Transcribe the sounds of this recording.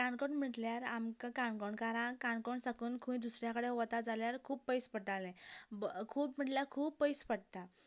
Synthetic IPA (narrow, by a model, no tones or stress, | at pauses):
kaɳkɔɳm̤iʈljaɾa̰mkakaɳkɔɳkaɾãkaɳkɔɳsakuːnkʰũĩd̪usɾjãkəɽeɦɔt̪ad͡zaljaɾkʰuːpːəjspəʈalɛ̃ | kʰuːpm̤iɽlakʰuːpːəjspəɽt̪a